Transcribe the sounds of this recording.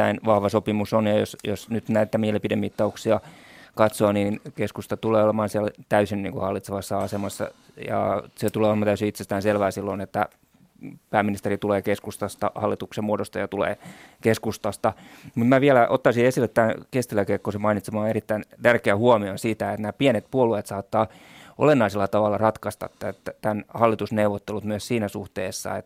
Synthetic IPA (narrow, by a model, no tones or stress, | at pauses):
æinʋɑhʋɑsopimusonjɑjosjosnyt̪næit̪ːæmilːepidemːit̪ːɑuksiɑkɑt̪soːniːnkeskust̪ɑt̪uleːolemɑːnsiælt̪æysinniːŋkuhɑlːit̪seʋɑsːɑɑsemɑsːɑ̰ | jɑ̰set̪uleːolemɑnt̪æysiit̪sest̪æːnselʋæːsilːonet̪ːæ | pæːmːinist̪erit̪uleːkeskust̪ɑst̪ɑ̰hɑlːit̪uksemuoɾost̪ɑjɑt̪ulḛːkeskust̪ɑst̪ɑmut̪mæʋiælæʔot̪ːɑsiesilːet̪t̪ːænkest̪ilækekːosemɑinit̪semɑːerit̪ːæint̪ærkeæhuomionsit̪æet̪næːpienet̪puoluet̪sɑːt̪ːɑː | o̰lenːɑiselːɑt̪ɑʋɑlːɑrɑt̪kɑst̪ɑ̰t̪t̪ætːæt̪ænhɑlːit̪usneuʋot̪ːelut̪myøssiːnæsuht̪eːsːɑ̰et̪